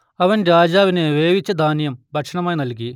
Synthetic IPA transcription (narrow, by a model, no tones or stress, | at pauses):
ɐʋɐnɾaːd͡ʑaːʋineʋeːʋit͡ɕːɐd̪ʱaːnjɐmbʱɐʈʂɐɳɐmaːjnɐlk̬i